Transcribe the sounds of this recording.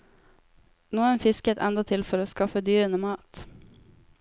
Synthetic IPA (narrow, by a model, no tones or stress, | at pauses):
nuːənfɪskət̪ʰɛ̰nd̪ɑt̪ʰɪlfœɾoskɑfːəd̪yːɾɛnəmɑːt̪